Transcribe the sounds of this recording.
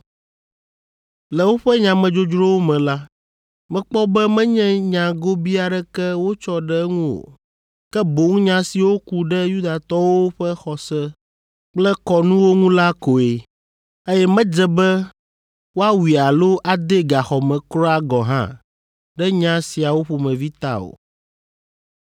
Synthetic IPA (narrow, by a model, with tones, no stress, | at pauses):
lɛ˨wo˦ɸɛ˦ɲã˨mɛ̃˨d͡ʒo˦d͡ʒɾo˦wo˦mɛ̃˨la˦ | mɛ̃˨˦k͡pɔ˦bɛ˦mɛ̃˦ɲɛ̃˦ɲã˨ɡo˦bi˦a˨ɖɛ˦kɛ˦wo˦t͡ʃɔ˦ɖɛ˦ŋũ˦o̰˨ | kɛ˦bo˨˦ŋ˦ɲã˦si˨wo˦ku˦ɖɛ˦ju˦d̪a˨t̪ɔ˦wo˦wo˦ɸɛ˦xɔ˨sɛ˦ | k͡plɛ˦kɔ˨nũ˦wo˦ŋũ˦la˦ko˨e˨ | e˦jɛ˦mɛ̃˦d͡ʒɛ˨bɛ˦ | wo˦a˦wi˨a˨lo˦ʔa˨d̪e˦ɡa˨xɔ˨mɛ̃˨kɾɔ˦a˦ɡɔ˨ɦã̰˦ | ɖɛ˦ɲã˦si˨a˨wo˦ɸo˨mɛ̃˨vi˦t̪a̰˦o̰˨